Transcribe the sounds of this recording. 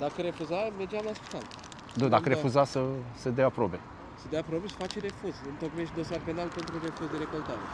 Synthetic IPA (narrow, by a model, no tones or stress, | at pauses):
d̪akəɾe̞fuzamed͡ʒeamlasi̥t̪a̰nt̪ | d̪ud̪akəɾe̞ffuzasəsəd̪jaapɾobe̞ | səd̪eaapɾobe̞sə̥fat͡ʃeɾe̞fuzɨnt̪okmeʃt̪ʲd̪o̞sarpe̞nalpe̞nt̪ɾure̞fuzd̪eɾeko̞lt̪aɾe